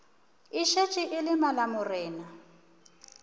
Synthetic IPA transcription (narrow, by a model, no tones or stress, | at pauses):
ɪʃet͡ʃʼɪʔɪlɪmalamʊrɪːna